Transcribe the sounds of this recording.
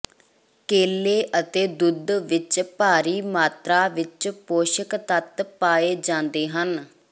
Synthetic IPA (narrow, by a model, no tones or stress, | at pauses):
keːleːʔət̪eːd̪ʊd̪ʋɪt͡ʃpaːɾiːmaːt̪ɾaːʋɪt͡ʃpoːʃəkt̪ət̪paːeːd͡ʒãːnd̪eːɦən